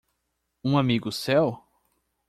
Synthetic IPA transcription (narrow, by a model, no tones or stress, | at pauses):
ũamiɡʊsɛw